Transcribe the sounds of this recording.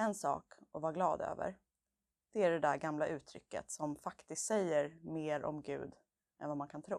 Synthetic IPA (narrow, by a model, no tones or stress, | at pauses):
ɛnsɑ̰ːkɔvaːɾɡlɑːd̪ø̰ːvə̰ɾ | d̪̥ɛæɖɛd̪æɾɡamlaʔʉ̟ːt̪ʰɾʏ̰kːə̰t̪sɔmfakt̪ɪst̪sɛjːəɾmeːɾʔɔ̰mɡʉ̟̰ːd̪ | ɛnvamankʰant̪ʰɾṵː